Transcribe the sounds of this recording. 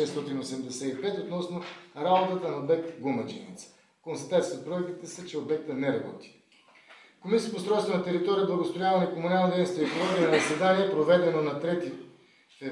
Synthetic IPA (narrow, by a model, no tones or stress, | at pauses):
ɛst̪ɔt̪inosɛmd̪ɛsɛipɛt̪ot̪nɔsnoɾabot̪ət̪ənɐobɛk̚t̪ɡomɐt͡ʃinḭt̪s | konst̪ɐ̥t̪at̪sʲiot̪̚pɾoɛk̚t̪it̪ɛsət͡ʃɛobɛk̚t̪ənɛɾɐbɔ̰t̪i̥ | komisiət̪post̪ɾɔjst̪vonɐt̪ɛɾit̪ɔɾijəb̪lˠɐɡosp̪ɾojalˠnikomunalˠnod̪ɛjnst̪voiekolˠɔɡiənɐzɐsɛd̪aniɛpɾovɛd̪ɛnonɐt̪ɾɛt̪i